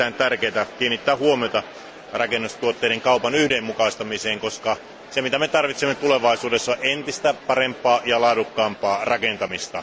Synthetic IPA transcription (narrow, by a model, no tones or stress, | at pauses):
æːnt̪ærkeːt̪ækiːnːit̪ːæːhuomiot̪ɑ | rɑkenːust̪uot̪ːeiɾeŋkɑupɑnyhdemːukɑist̪ɑmiseːŋkoskɑ | semit̪æmet̪ɑrʋit̪semːet̪uleʋɑisuːdesːɑʔent̪ist̪æpɑrempˑɑːjɑlɑːdukːɑːmpɑːrɑkent̪ɑmist̪ɑ̰